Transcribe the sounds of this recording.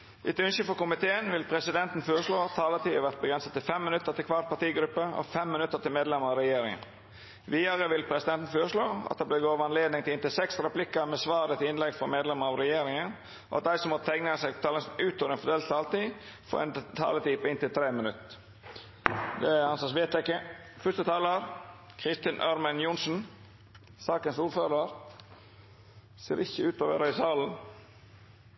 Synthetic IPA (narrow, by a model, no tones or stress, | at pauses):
ʔɪt̪ʉnʃəfɔkʊmɪt̪ʰeːənʋɪlpʰɾɛsɪd̪ɛnt̪n̩føːɾəʂloːɑtt̪ʰɑːlət̪ʰiːəʋæʁt̪̚bəɡɾɛnsət̪t̪ːɪlfɛmːɪnʉt̪ːət̪ɪlkʰɑːt̪̚pɑt̪iːɡɾʉpːəɔ̰fɛmːɪnʉt̪ːət̪ɪlmeːd̪lɛməɑɾɛjeːɾɪŋə̰n | ʋiːɑɾəʋɪlpʰɾɛsɪd̪ɛnt̪n̩føːɾəʂloːɑ̰t̪̚d̪ɛb̪æɡoːʋəɑnleːd̪nɪŋt̪ɪlɪnt̪ɪlsɛksɾɛplɪkːəmɛsʋɑːd̪ət̪ɪɪnlɛɡfɔɾmeːd̪lɛməɑʋɾɛjeːɾɪŋən | ʔɔ̰ɑt̪̚d̪æɪsɔmːɔt̪ʰɛŋnəsɛɪɡpt̪ʰɑːləsnʉːt̪oːʋəɾɛnfɔd̪eːlst̪ɑlt̪ifɔ̰ɾɛ̰nt̪ʰɑ̰ːlət̪ʰiːpɪnt̪ɪlt̪ʰɾeːmənʉt̪ | d̪ɛɑnsɑːsʋeːt̪ɛkːəfœst̪ət̪ʰɑːləɾ | kʰɾɪst̪ɪnʔœɾmɛnjʊnsn̩ | sɑːkənsuːɾføːɾəɾ | seːɾʔɪçːəʉːt̪oːʋə̰ɾəɪsɑːln̩